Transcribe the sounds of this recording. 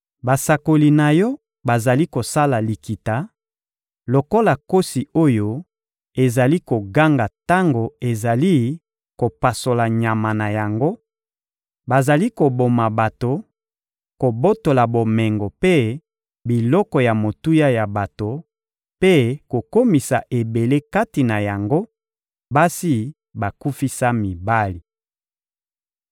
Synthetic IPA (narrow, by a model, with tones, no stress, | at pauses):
ba˨sa˨ko˨li˨na˨jɔ˦ | ba˨za˨li˦ko˨sa˦la˨li˨ki˨ta˨ | lo˨ko˦la˨ko˦si˨o˦jo˦ | e˨za˨li˦ko˨ɡa˦ŋɡa˨ta˦ŋɡo˨e˨za˨li˦ | ko˨pa˨so˨la˨ɲa˨ma˨na˨ja˨ŋɡo˦ | ba˨za˨li˦ko˨bo˨ma˨ba˨to˨ | ko˨bo˦to˨la˨bo˨mɛ˨ŋɡɔ˨pe˦ | bi˨lɔ˦kɔ˨ja˨mo˨tu˦ja˦ja˨ba˨to˨ | pe˦ko˨ko˦mi˨sa˨ʔe˨be˨le˦ka˦ti˨na˨ja˨ŋɡo˦ | ba˦si˦ | ba˨ku˦fi˦sa˦mi˨ba˦li˨